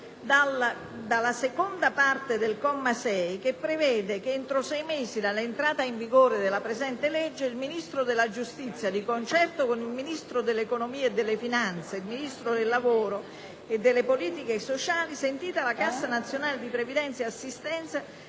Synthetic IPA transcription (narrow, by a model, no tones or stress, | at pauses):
d̪al | d̪alːasekond̪apart̪ed̪elkɔmːasɛjkepːɾevɛːd̪ekent̪ɾosɛjmeːzid̪alːent̪ɾaːt̪aiɱviɡoːɾed̪elapɾezɛnt̪elɛd͡ʒːeilminist̪ɾod̪elːad͡ʒust̪it̪sːjad̪ikont͡ʃɛrt̪okonilminist̪ɾod̪elːekonomiːeed̪ːelːefinant̪seilminist̪ɾod̪elːavoːɾo | ed̪ːeɪlːepoliːt̪ikesot͡ʃaːlisent̪iːt̪alakasːanat̪sːjonaːled̪ipɾevid̪ɛnt̪seasːist̪ɛnt̪sa